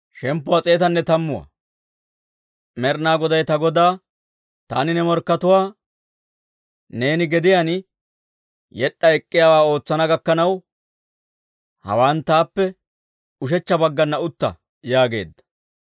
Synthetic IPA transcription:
ʃɛmpːʊwat͡sʼe̞ːt̪ɐnːɛt̪ɐmːʊwɐ̰ | mɛɾnaːɡɔd̪ɐjt̪ɐɡɔd̪aː | t̪a̰ːnɪnɛmɔɾkːɐt̪ʊwaː | ne̞ːnɪɡɛd̪ɪjaːn | jɛɗːɐɛkʼːɪjaːwaːo̞ːt͡sːɐnɐɡɐkːɐnɐw | hɐ̰waːnt̪aːpːɛ | ʊʃ̬ɛt͡ʃːɐbɐɡːɐnːɐʊt̪ːɐ̰ | jaːɡe̞̰ːd̪ːɐ̥

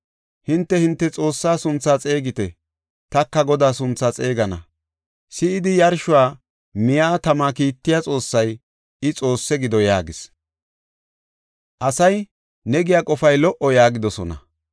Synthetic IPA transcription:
hɪnt̪ːɛhɪnt̪ːɛt͡sʼo̞ːsːaːsʊnt͡sːaːt͡sʼe̞ːɡɪt̪ɛ | t̪ɐkːɐɡɔd̪aːsʊnt͡sːaːt͡sʼe̞ːɡɐnɐ | sɪɪd̪ɪjɐɾʃʊwaː | mɪjaːt̪ɐmakiːt̪ːɪjat͡sʼo̞ːsːɐj | ɪt͡sʼo̞ːsːɛɡɪd̪ɔjaːɡɪs | ʔɐsɐj | nɛɡɪjakʼɔfɐjlɔʔɔjaːɡɪd̪ɔsɔnɐ̰

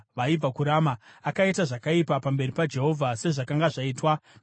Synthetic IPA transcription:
ʋaib͡vakuɾamaakaitaʐakaipapambe̞ripad͡ʒe̞ɦo̞vʱase̞ʐakaŋɡaʐaiːtwa

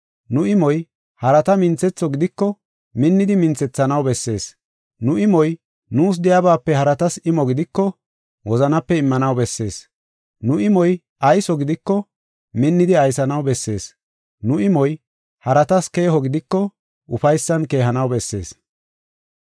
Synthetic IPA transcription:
nʊɪmɔj | hɐɾɐt̪ɐmɪnt͡sɛt͡sːɔɡɪd̪ɪkːɔ | mɪnːɪd̪ɪmɪnt͡sɛt͡sːɐnɐwbɛsːe̞ːs | nʊɪmɔj | nuːs̬d̪ɛjɐbaːpːɛhɐɾɐt̪ɐsɪmɔɡɪd̪ɪkːɔ | wɔzɐnɐpːɛɪmːɐnɐwbɛsːe̞ːs | nʊɪmɔj | ʔɐjsɔɡɪd̪ɪkːɔ | mɪnːɪd̪ɪɐjsɐnɐwbɛsːe̞ːs | nʊɪmɔj | hɐɾɐt̪ɐske̞ːhɔɡɪd̪ɪkːɔ | ʔʊfɐjsːɐnke̞ːɦɐnɐwbɛsːe̞̰ːs

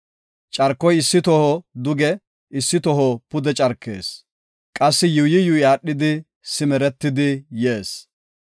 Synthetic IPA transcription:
t͡ʃʼɐɾkːɔjɪsːɪt̪ɔhɔd̪ʊɡɛ | ɪsːɪt̪ɔɦɔpʊd̪ɛt͡ʃʼɐɾkːḛːs | kʼɐsːɪjujɪjʊjaːɗːɪd̪ɪ | sɪmɛɾɛt̪ːɪd̪ɪje̞ːs

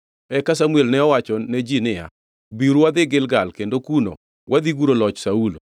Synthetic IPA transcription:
ɛkas̬amuɛlnɛɔwat͡ʃɔned͡ʒinɪja̰ | biɾuwad̪ɪɡɪlɡalkendokuno̰ | wʔad̪iɡuɾolɔt͡ʃsaulo

